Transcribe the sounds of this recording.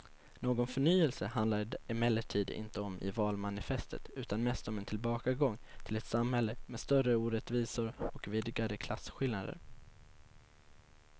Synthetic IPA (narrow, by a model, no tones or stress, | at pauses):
noːɡɔnfœɳyːɛlsəhand̪laɾɪmɛlːəʈʰiːd̪ɪ̰nt̪əɔmɪ̰vɑːlmanɪfɛst̪ə̰t̪ʉ̟ːt̪anmɛːst̪ɔmɛnt̪ʰɪlbɑːkaɡɔŋːt̪ʰɪlɛt̪samhɛlːəmɛst̪œrəuːɾɛt̪viːsʊɾɔkviːd̪ɪɡaɾəkʰlasɧɪlnad̪ə̰ɾ